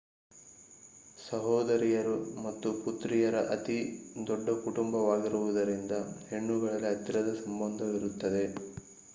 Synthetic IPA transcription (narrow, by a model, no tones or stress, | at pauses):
sɐɦɔːd̪ɐɾijɐɾumɐt̪ːuput̪ɾijɐɾɐʔɐt̪id̪ɔɖːɐkuʈumbɐʋaːɡiɾuʋud̪ɐɾind̪ɐhe̞ɳːuɡɐɭɐliɐt̪ːiɾɐd̪ɐsɐmbɐnd̪ʱɐʋiɾut̪ːɐd̪e̞